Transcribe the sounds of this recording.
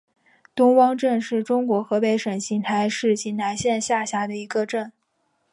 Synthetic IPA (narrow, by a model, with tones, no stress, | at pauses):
t̪ʊ˥ŋwɑ˥ŋʈ͡ʂə˥˧nʂɻ̩˥˩ʈ͡ʂʊ˥ŋkwɔ˧˥xɤ˧˥pe˧˥ɪʂə˨˩nɕi˧˥ŋt̪ʰa˧˥ɪʂɻ̩˥˧t͡ɕi˧˥nna˧˥nɕjɛ˥˧nɕja˥˩ɕja˧˥d̪ə˧i˧˥ɡə˧ʈ͡ʂə˥˩n